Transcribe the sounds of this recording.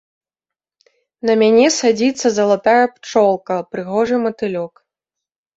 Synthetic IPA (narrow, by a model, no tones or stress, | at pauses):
nɐmʲanʲɛsad͡zʲit̪sːɐzɐlˠat̪ajɛpt͡ʂɔlˠkɐpɾɨɣɔʐɨmɐt̪ɨlʲɔk